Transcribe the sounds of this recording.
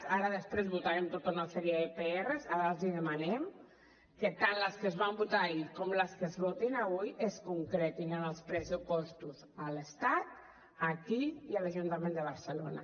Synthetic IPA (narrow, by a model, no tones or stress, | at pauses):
aɾəðəspɾezβut̪aɾemt̪ot̪unasɛɾiəðepeerezaðaziðəmanɛm | kət̪anləskəzβ̞ambut̪aikomləskəzβot̪inaβujʔəskuŋkɾɛt̪inənəlˠspɾəzupɔst̪uz | ələst̪at̪̚ | akiiəlaʒunt̪amẽnd̪əβəɾsəlona̰